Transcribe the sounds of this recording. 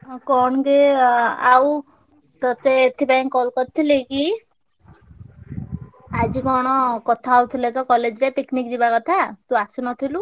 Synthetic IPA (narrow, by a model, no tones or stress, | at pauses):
kɔɳɡeaw | t̪ɔt̪eːt̪ʰipajŋkɔlkɔt̚t̪ʰːileki | ad͡ʒikɔɽ̃ɔkɔt̪ʰaːwt̪ʰilet̪ɔkɔled͡ʒɾepiknikd͡ʒibakɔt̪ʰat̪uasunɔt̪ʰilu